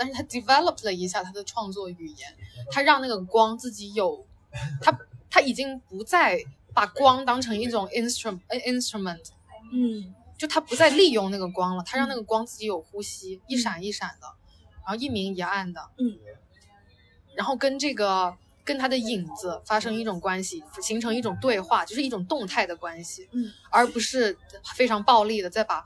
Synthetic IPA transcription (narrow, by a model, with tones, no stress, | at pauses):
t̪a˥˧nʂɻ̩˥˩t̪ʰa˥d̪i˨˩fɛ˥lə˨˩pʰlə˩i˧˥ɕ̬ja˥˩t̪ʰa˥d̪ə˨ʈ͡ʂʰwɑ˥˧ŋt͡swɔ˥˩y˨˩jɛ˧˥nt̪ʰa˥ɻɑ˥˧ŋna˥˩ɡəə˩kwɑ˥ŋt͡sɹ̩˥˩t͡ɕi˧˥jo˨˩ʊ | t̪ʰa˥t̪ʰa˥i˨˩t͡ɕi˥ŋpu˧˥t͡sa˥˩ɪ | pa˨˩kwɑ˥ŋt̪ɑ˥ŋʈ͡ʂʰɤ˧˥ŋi˥˩ʈ͡ʂʊ˨˩ŋi˥nstu˧˩˥i˥nst̪ɹu˥˩mə˨˩ntʰ | t͡ɕjo˥˩t̪ʰa˥pu˧˥t͡sa˥˧ɪli˥˧jʊ˥˧ŋna˥˩ɡə˩kwɑ˥ŋlə˨t̪ʰa˥ɻɑ˥˧ŋna˥˩ɡə˩kwɑ˥ŋt͡sɹ̩˥˩t͡ɕi˧˥jo˨˩ʊxu˥ɕi˥i˥˩ʂa˨˩ni˥˩ʂa˨˩nd̪ə̰˦ | ɻa˧˥xo˥˧ʊi˥˩mi˧˥ŋjɛ˧˥a˥˩nd̪ə˩ | ɻa˧˥nxo˥˩ʊkə˥nʈ͡ʂɤ˥˩ɡə˩ | kə˥nt̪ʰa˥d̪ə˨i˨˩ŋd͡zɹ̩˧˦fa˥ʂɤ˥ŋi˥˩ʈ͡ʂʊ˨˩ŋkwa˥nɕi˨˩ɕi˧˥ŋʈ͡ʂʰɤ˧˥ŋi˥˩ʈ͡ʂʊ˨˩ŋt̪we˥˧ɪxwa˥˩t͡ɕjo˥˧ʂɻ̩˥˧i˥˩ʈ͡ʂʊ˨˩ŋt̪ʊ˥˧ŋt̪ʰa˥˩ɪd̪ə˩kwa˥nɕi˨˩ə˞˧˥pu˧˥ʂɻ̩˥˧fe˥ɪʈ͡ʂʰɑ˧˥ŋpɑ˥˧ʊli˥˩d̪ə˩t͡sa˥˩ɪpa˨˩